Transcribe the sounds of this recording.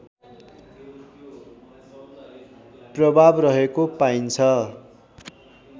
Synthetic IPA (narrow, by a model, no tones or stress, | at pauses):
prʌbʱabrʌɦekopaint͡sʰʌ